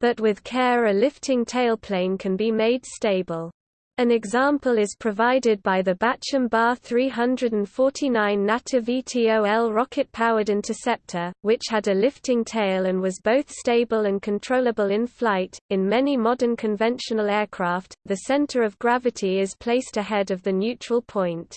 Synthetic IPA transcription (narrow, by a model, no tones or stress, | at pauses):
b̥ʌʔwɪð̥kʰɛːɹɨlɪftʰɪ̃ŋtʰeɪlˠpʰl̥ẽɪ̃nkʰɨ̃nbimeɪd̥steɪbəlˠ | ɨ̃nɨɡzɑ̃mpəlˠɪz̥pʰɹ̥əvaɪdɪd̚baɪðɨbat͡ʃə̃mbɑθɹiɦʌ̃ndɹədə̃n̩fɔɹtʰinãɪ̃nːatʰɨvitʰioʊɛlˠɹɑkʰɨt̚pʰaʊəɾɪ̃ntʰəsɛp̚tʰəwɪt͡ʃhədɨlɪftɪ̃ŋtʰeɪlˠə̃nwɒzboʊθsteɪbəlˠə̃nkʰə̃ntʰɹ̥oʊləbəlˠɪ̃nfflaɪtɪ̃nmɛnimɒdə̃˞nkʰə̃ɱvɛ̃nʃənəlˠɛɹkʰɹ̥ɑˑftðɨsɛ̃ntʰəɹʌvɡɹavɨtʰiɪz̥pʰl̥eɪstɨɦɛdʌvðɨnjʉt͡ʃɹ̥əlˠpʰɔ̃ɪ̃nt